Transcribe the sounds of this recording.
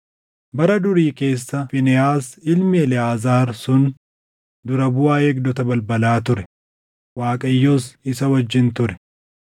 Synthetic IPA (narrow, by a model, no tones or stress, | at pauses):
bɐɾɐd̪ʊɾiːke̞ːsːɐfɪnɛaːsɪlmɪɛlɛaːzaːɾsʊn | d̪ʊɾɐbʊaːeːɡ̚d̪ɔt̪ɐbɐlbɐlaːt̪ʊɾɛ | waːkʼɐjːoːsɪsɐwɐd͡ʒːɪnt̪ʊɾɛ̥